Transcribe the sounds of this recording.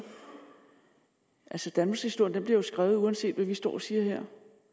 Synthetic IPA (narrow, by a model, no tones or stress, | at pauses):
ʔælsəd̥ænmɑɡshisd̥o̝ɐndemb̥liɐjo̝sɡ̥ʁaːʊuænse̝̰ːd̥ʋæʋisd̥ɒ̰ːɒsiːɐheɐ̰